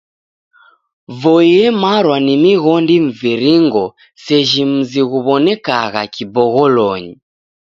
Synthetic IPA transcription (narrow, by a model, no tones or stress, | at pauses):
vɔjɛmaɾwanimiɣɔndiɱ̩viɾiŋɡɔ | sɛʒim̩ziɣuβɔnɛkaɣakibɔɣɔlɔɲi